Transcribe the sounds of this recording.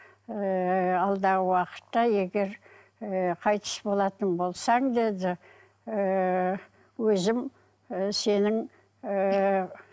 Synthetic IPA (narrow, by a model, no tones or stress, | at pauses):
ɑlˠd̪ɑʁəwɑqə̥t̪ːɑje̞ɡʲe̞ɾ | qʰɑjt̪ə̥sbo̞lˠɑt̪ənbo̞lˠsɑŋd̪e̞d̪ɪ | ə | wɵzɪm | se̞nɪŋ